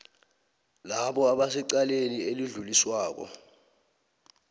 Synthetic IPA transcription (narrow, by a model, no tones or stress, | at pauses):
laɓɔaɓasiǀalenieliɮuliswaːk̬ɔ̰